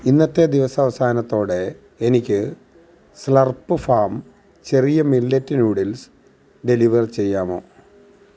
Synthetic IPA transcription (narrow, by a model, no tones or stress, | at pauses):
inːɐt̪ːe̞d̪iʋɐsɐɐʋɐsaːnɐt̪ːo̞ːɽe̞ː | nikʲːɨ | slɐrpːɨfaːm | t͡ɕe̞rijɐmilːetːinuːɽils | ɖe̞liʋɐrt͡ɕe̞jːaːmo̞̰ː